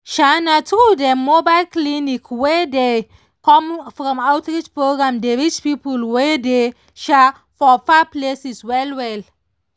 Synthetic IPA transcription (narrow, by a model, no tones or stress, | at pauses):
ʃanatɹudɛmobaɪlklinikwede | kɔ̃mfɹɔ̃mawtɹid͡ʒpɹoɡɹãmdeɹit͡ʃpipulwede | ʃɛ | fɔfaplesiswɛlwɛl